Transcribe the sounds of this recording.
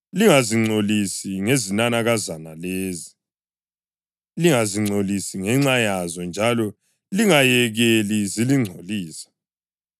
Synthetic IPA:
liŋaziŋ͡ǀʱolisiŋezinanaɣazanaleːzi | liŋaziŋ͡ǀʱolisiŋɛŋ͡ǁajazɔnd͡ʒʱalɔ | liŋajɛɣeliziliŋ͡ǀʱoliːsḁ

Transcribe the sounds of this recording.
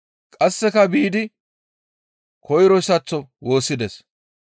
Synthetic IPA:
kʼɐsːɛkɐbiːd̪ɪ | kʰɔjɾɔsɐt͡sːɔwo̞ːsːɪd̪ɛs

